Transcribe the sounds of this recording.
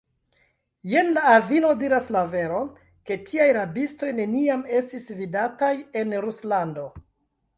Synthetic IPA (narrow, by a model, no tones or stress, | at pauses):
je̞nlaːvino̞diɾaslave̞ɾo̞n | ke̞tʰiajɾabisto̞jne̞niame̞stisvidataje̞nɾuslando̞